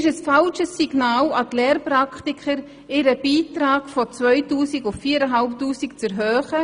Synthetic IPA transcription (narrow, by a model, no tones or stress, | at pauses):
ɪʃəsfɑlʃəsːiɡ̥naːlɑtlɛːrprakχtikʰχəɾ | ɪɾəb̥iːtɾaːɡ̥fɔt͡svœʏtuːsikʊffiːɾəɦalptuːsikt͡sɛɾɦøːχə